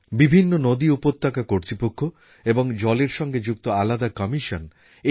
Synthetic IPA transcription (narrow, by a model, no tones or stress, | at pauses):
bibʱinːonod̪iupot̪ːakakoɾt̪ɾipokʰːo | eboŋd͡ʑɔleɾʃɔŋɡed͡ʑuk̚t̪oalad̪akɔmiʃon | e